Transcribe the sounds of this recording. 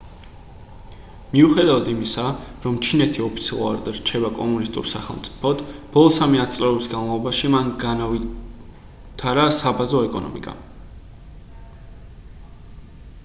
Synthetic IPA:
miuχɛd̪avad̪imisaɾɔmt͡ʃʰinɛt̪ʰiɔpʰi̥t̪sʰḭlˠa̰ɾd̪ɾt͡ʃʰɛbakʼɔmunist̪ʼṵɾsa̰χɛlˠmt̪sʼi̥pʰɔd̪b̥ɔlˠɔsamiat̪sʼlɛɔbisɡanvalˠɔbaʃimanɡanavi | t̪ʰaɾasabazɔɛkʼɔ̰nɔ̰mḭkʼa̰

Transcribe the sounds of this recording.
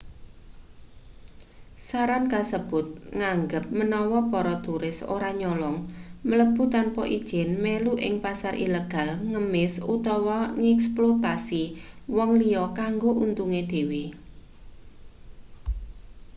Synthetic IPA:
saɾankasəb̥ʊt̪̚ŋaŋɡəp̚mənɔwɔpɔɾɔt̪uɾɪso̰ɾaɲɔlɔŋmələb̥ṳt̪anpɔʔid̥ʒ̥ɪnmeluʔɪ̰ŋpasaɾʔḭleɡ̥a̤lŋəmɪsut̪ɔwɔŋɛksplot̪asiwɔŋliɔkaŋɡoʔunt̪uŋed̥e̤we

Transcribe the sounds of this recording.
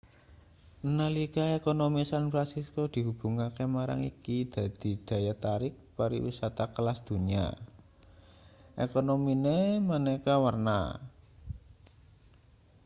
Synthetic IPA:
nəlikaekonomisanfɾansiskod̪̥i̤ɦub̥ṳŋakemaɾa̰ŋḭkid̪̥ä̤d̪̥i̤d̪̥ä̤jat̪aɾɪk̚paɾḭwḭsat̪akəlasd̪̥ṳɲia̰ | ʔḛkonominemanekawərna̰

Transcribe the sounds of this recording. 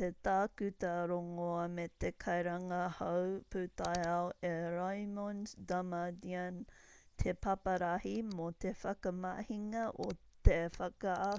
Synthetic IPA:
t̪et̪aːkʉt̪ɐɾoŋoɐmet̪ekʰɐjɾɐŋɐhɐwpʰʉːt̪ajaoʔeɾajmondamadiant̪ʰepʰɐpɐɾɐhimot̪efɐkɐmahiŋɐʔo | t̪efɐkɐa

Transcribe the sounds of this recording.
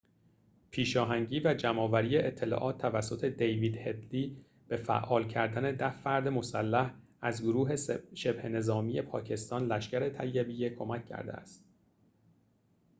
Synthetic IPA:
pʰiːʃɒːɦæŋɟiːvæd͡ʒæmɒːvæɾijeʔet̪ʰːe̞lɒ̰ʔɒːt̪̚ʰːævæsːo̞t̪ʰe̞d̪ejviːd̪he̞d̪liː | b̥e̞fæ̰ʔɒːlcʰæɾd̪æne̞d̪æhfæɾd̪e̞mo̞sælːæh | æzɡoɾuːɦe̞ʃe̞bhe̞ne̞zɒːmiːje̞pʰɒ̰ːcʰe̞st̪ɒːnlæʃcæɾe̞t̪ʰæjːebijekʰo̞mæcʰːæ̰ɾd̪eæ̰st̪

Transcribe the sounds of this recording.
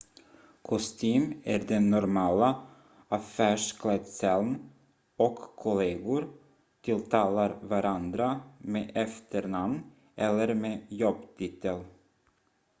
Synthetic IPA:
kʰɔst̪ʰyːmæɖɛnːɔɾmɑːla | afæːʂkʰlɛt̪sɛln | ɔkʰːʊleːɡʊɾ | t̪ʰɪlt̪ʰɑːlaɾvaɾʔand̪ɾameʔɛft̪əɾɳamn | ʔɛlːəɾmeːjɔbt̪ʰiːt̪əl

